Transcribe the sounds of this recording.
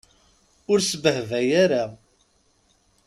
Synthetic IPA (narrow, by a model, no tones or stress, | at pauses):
ʊɾsəbəhvæjaɾa